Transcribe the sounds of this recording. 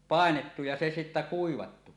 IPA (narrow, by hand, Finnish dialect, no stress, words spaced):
pɑˑenetːu jɑ se sitːæ kuiʋɑtːu